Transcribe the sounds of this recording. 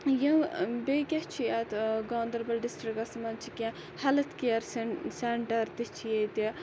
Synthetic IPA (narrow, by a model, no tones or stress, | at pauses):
jɐbeːkʲɐht͡ʃʰiɐt̪ɡaːnd̪ɐɾbɐlɖisʈɾikɐsmɐnt͡ʃʰikʲã | hɐlɐt̪kiɐɾseɳʈɐɾt̪it͡ʃʰijet̪i